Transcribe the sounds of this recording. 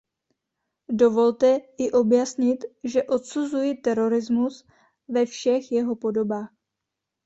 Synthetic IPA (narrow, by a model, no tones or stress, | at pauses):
do̞vo̞lt̪ɛɪʔo̞bjasɲɪt̪ʒɛʔo̞t̪suzujit̪ɛɾo̞ɾɪzmus | vɛfʃɛxjɛɦo̞po̞do̞baːx